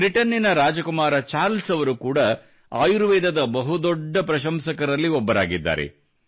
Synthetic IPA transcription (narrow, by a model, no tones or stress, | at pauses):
bɾiʈɐnːinɐɾaːd͡ʒɐkumaːɾɐt͡ʃaːɾlsɐʋɐɾukuːɽɐ | a̰ːjuɾuʋɛːd̪ɐd̪ɐbɐɦud̪ɔɖːɐpɾɐʃɐmsɐkɐɾɐlːiɔbːɐɾaːɡid̪ːa̰ːɾe̞̰